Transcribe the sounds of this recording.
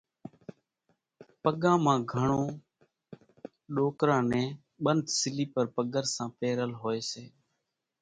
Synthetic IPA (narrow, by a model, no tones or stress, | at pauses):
pəɠãːmãːɡʱəɳõː | ɗoːkɾãːnɛ̃ː | ɓənd̪sɪliːpəɾpəɡəɾsãːpeːɾəlɦoːeːseː